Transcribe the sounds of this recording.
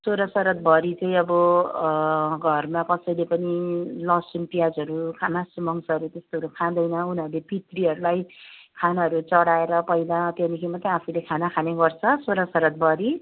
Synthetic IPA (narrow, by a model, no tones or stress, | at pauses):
soɾasʌɾʌt̪̚bʱʌɾit͡sʌĩʌbʌ | ɡʱʌrmakʌsʌjlepʌnilʌsunpijad͡zʌɾukʰamasumʌŋsʌɾut̪est̪oɦʌɾukʰãd̪ʌjnʌunʌɾulepit̪riɦʌɾulajkʰanaɦʌɾut͡sʌɽaeɾʌpʌjd̪at̪jenikʰimat̪ãapʰulekʰanakʰaneɡʌrt͡sʰʌsoɾasʌɾʌt̪̚bʱʌɾi